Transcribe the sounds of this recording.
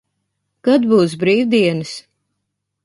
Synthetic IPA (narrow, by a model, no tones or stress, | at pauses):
kad̪buːs̬bɾiːwd̪iɛnɨs